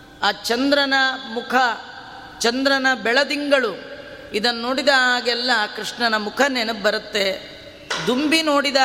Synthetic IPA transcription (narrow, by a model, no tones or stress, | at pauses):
aːt͡ʃɐnd̪ɾɐnɐmukʰɐ | t͡ʃɐnd̪ɾɐnɐbɛɭɐd̪iŋɡɐɭu | id̪ɐnːnoːɽid̪ɐɦaːɡɛlːɐkɾiʂɳɐnɐmukʰɐnenubɐɾɐt̪ːe̞ | d̪umbino̞ːɽid̪a